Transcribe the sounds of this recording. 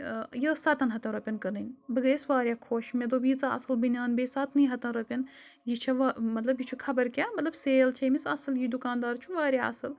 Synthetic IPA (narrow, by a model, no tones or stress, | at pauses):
jəːsɐt̪ɐnɦɐt̪ɐnɾɐpʲɐnkɐɾnɨnʲbɨɡɐːsʋaːɾʲjaːkʰoːʃmed̪oːbiːt͡sɐɐ̰sɨlbɨnʲjaːnbeːsaːt̪niːɦɐt̪ɐnɾɐpʲɐn | jit͡ʃʰɐʋmɐt̪lɐbjit͡ʃʰukʰɐbɐɾkʲamɐt̪lɐbseːlt͡ʃʰɐːmisɐsɨljid̪ukaːnd̪aːɾt͡ʃʰuʋaːɾʲjaːɐ̰sɨl